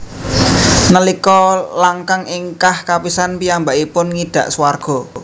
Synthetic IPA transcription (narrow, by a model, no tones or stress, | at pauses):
nəlikɔlaŋkaŋʔɪŋkahkapisanpiambaʔipʊnŋid̪̥ä̤ʔsuwarɡ̥ɔ̤